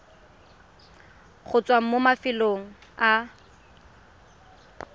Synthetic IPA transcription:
χʊt͡sʼwaŋ̩momafɪloŋ̩a

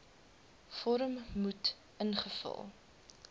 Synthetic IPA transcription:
fɔɾəmmut | ənχəfə̰lˠ

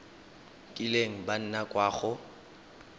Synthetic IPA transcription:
kʼɪleŋ̩ban̩nakʼwaːχʊ

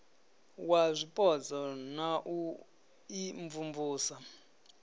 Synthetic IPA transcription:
wazʷipʼɔd͡zɔnaʔu | iɱvumvuːsa

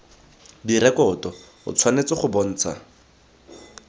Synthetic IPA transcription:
diɾɛkɔtɔ | ʊ̰t͡sʰwanet͡sɪχʊbon̩ːt͡sʰa̰

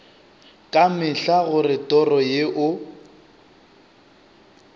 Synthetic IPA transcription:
kʼamɪɬaɣʊrɪtʼɔrɔjeʔʊ

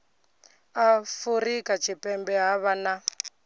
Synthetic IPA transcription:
afurikat͡ʃʰipɛmbɛɦaβana

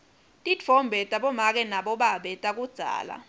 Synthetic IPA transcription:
tʼidʰʱɔmbʱɛtʼaɓɔmak̬ʼɛnaɓɔɓaɓɛtʼak̬ud̥z̥ʱa̰ːla̰

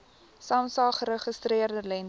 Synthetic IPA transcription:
sɑːmsɑːχəɾəχəstriərdəlɛn

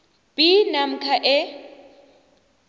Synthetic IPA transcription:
pinam̩kʰaʔɛ

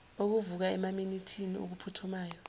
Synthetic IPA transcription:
ok̬uvuk̬aɛmaminitʰiniṵk̬upʰutʰumaːjɔ

